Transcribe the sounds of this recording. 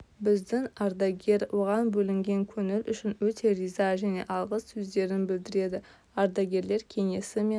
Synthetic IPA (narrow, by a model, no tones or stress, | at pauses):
bɪzd̪ɪŋɑɾd̪ɑɡʲe̞ɾwʔo̞ʁɑnbɵlɪŋɡʲe̞ŋkʲʰɵŋɪlʔʏʃɪnwɵt̪ʰe̞rijzɑʒæne̞̰ʔɑlˠʁəssɵzd̪e̞ɾɪnbɪld̪ɪɾe̞d̪ɪ | ɑɾd̪ɑɡʲe̞ɾle̞ɾkʲʰe̞ŋe̞sɪme